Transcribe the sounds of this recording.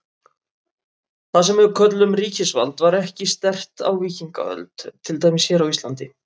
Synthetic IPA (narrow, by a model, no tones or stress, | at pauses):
θasɛmɛʏkʰœt̪lʏmriːcɪsva̰lt̪vaɾɛhcɪst̪ɛr̥t̪a̰wviːciŋka̰œ̰lt̪t̪ʰːɪlt̪aːjmɪsçɛːɾawist̪lant̪ɪ